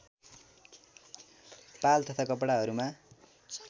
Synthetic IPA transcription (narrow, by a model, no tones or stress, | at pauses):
palt̪ʌt̪ʰakʌpɽaɦʌɾuma